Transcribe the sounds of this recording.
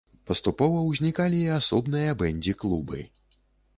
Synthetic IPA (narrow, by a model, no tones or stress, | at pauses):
pɐst̪upɔvɐwzʲnʲikalʲiasɔbnɨjɐbɛnʲd͡zʲiklˠubɨ̰